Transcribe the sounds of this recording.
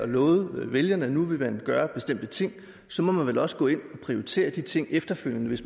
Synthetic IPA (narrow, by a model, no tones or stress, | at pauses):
ɒlɔ̽ːð̩ˠʋeljɐnənuʋe̝mænɡ̥ɶːɐb̥e̝sd̥em̰d̥ət͡sʰe̝ŋ̰ | sɒ̽mɒ̽mænʋelɒ̽sə̥ɡ̥ɔ̰̽ːe̝n̰ɒ̽pʰʁio̝ʁit͡sʰe̝̰ːɐd̥it͡sʰe̝ŋ̰efd̥ɐføl̰jənəʋe̝s